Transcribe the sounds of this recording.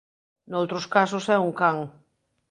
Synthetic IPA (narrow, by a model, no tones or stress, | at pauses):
nowt̪ɾoskasosɛuŋkaŋ